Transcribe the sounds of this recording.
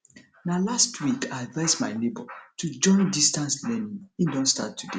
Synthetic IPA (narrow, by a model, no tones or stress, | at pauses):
nalastʰwikaɪadvaɪsma̰ɪlebɔ̰tʰud͡ʒɔ̃ɪ̃ndistãnslɛnĩŋĩndɔ̃nsta̰tːude